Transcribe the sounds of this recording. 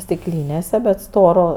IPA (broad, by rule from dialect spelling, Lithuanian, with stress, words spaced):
sʲtʲɪkˈlʲiːnʲeːsʲɛ bʲɛt ˈstoːroː